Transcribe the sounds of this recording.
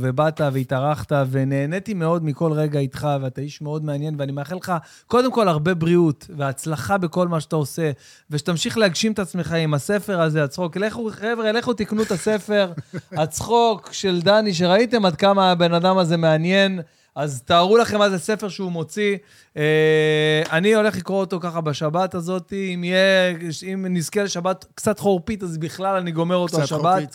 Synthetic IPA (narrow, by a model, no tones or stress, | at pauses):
ve̞bat̪aveit̪aʁaχt̪ave̞ne̞ːne̞t̪ime̞o̞d̪miko̞lʁe̞ɡait̪χaveat̪aiʃme̞o̞d̪meanje̞nveanimeaχelχa | ko̞d̪emko̞laʁbe̞bʁiut̪veat͡slaχabe̞ko̞lmaʃat̪ao̞se̞ | veʃe̥t̪amʃiχleaɡʃimet̪at͡sme̞χaimasefe̞ʁazeat͡sχo̞keleχuχevʁeeleχut̪iknuet̪ase̞fe̞ʁat͡sχo̞kʃe̞ld̪aniʃ̬e̞ʁait̪e̞mad̪̚kamabe̞nad̪amaze̞me̞anje̞n | azt̪aːʁulaχe̞mːazese̞fe̞ʁʃeumo̞t͡si | e | anio̞le̞χlikʁoot̪o̞kaχabaʃabat̪azo̞t̪iimijeimniskele̞ʃabat̪kt͡sat̪χoʁpit̪azbiχlalaniɡo̞me̞ʁo̞t̪oʃabat